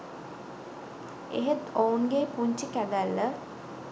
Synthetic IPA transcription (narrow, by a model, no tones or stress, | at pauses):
ḛɦet̪ounɡepuɲt͡ʃəkæd̪ælːə